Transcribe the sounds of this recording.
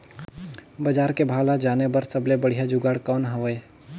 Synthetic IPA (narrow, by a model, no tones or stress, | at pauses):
bəd͡ʒaːɾkebʱaːlad͡ʒaːnebəɾsəblebəɽ̤ijad͡ʒʊɡaːɽkɔːnɦəʋəe